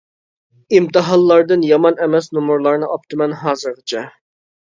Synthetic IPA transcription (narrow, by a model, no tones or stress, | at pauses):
imt̪ɨɦɑlˠːɑɾd̪ɨnjɑmɑnɛmɛsnumuɾlˠɑɾnɨɑp̚t̪ʰɨmɛnɦɑːzɨɾʁɨt͡ʃʰɛ